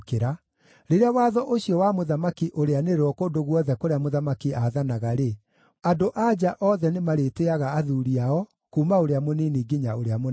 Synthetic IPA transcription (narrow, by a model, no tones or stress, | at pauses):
keɾa | ɾeɾeawaːðɔʔoɕjɔwamoðamakiʔoɾeaneɾwɔkondoɣwɔðɛkoɾeamoðamakiaðanaɣaɾe | andoʔad͡ʑaʔɔðɛnemaɾeteaɣaːðuɾiaɔ | kuːmaoɾeamoniːniɡiɲaoɾeamo